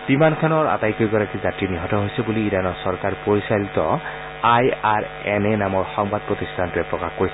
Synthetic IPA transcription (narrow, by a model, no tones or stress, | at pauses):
b̥imankʰanɔɹa̰tajkɔɡɔɹakizatɹiniɦɔtɔɦojsɛbuliːɹanɔsɔɹkaɹpoɹisalit̪ɔ̰ | ajaɹ | ɛnɛnamɔɹxɔŋbad̪̚pɹɔt̪istʰantʊɛpɹɔkaxkoɹis